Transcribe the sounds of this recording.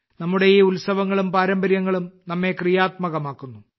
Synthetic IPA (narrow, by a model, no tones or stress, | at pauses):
nɐmːuɽejiːulsɐʋɐŋːɐɭumpaːɾɐmbɐɾjɐŋːɐɭumnɐmːe̞krijaːt̪̚mɐɣɐmaːkːunːu